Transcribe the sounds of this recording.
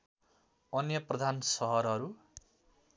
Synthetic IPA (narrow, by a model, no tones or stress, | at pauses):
ʌnjʌprʌd̪ʱansʌɦʌɾɦʌɾu